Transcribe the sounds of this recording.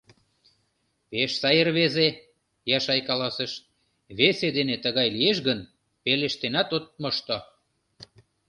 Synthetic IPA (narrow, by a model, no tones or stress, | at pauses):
peʃsɑjərβeze | jɑʃɑjkɑlɑsəʃ | βesed̪enet̪əɣɑjlieʃɣən | peleʃt̪enɑt̪ot̪̚moʃt̪o